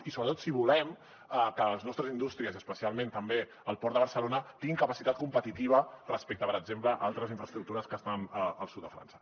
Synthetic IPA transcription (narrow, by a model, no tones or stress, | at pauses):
isoβɾət̪ot̪siβ̞ulɛm | əkələznɔst̪ɾəzind̪ust̪ɾiəziəspəsialˠmẽnt̪əmbe | əlˠpɔɾt̪d̪əβəɾsəlonət̪ĩŋɡiŋkəpəsit̪at̪̚kumpət̪it̪iβ̞ərəspek̚t̪əpəɾəɡzempləʔalˠt̪ɾəziɱfɾəst̪ɾuk̚t̪uɾəskəst̪anəəlˠsut̪̚d̪əfɾa̰nsə̥